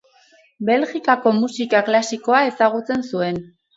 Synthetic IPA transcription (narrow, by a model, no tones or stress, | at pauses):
be̞lɣikako̞musikaklasiko̞ae̞saɣ̞ut͡se̞nsue̞n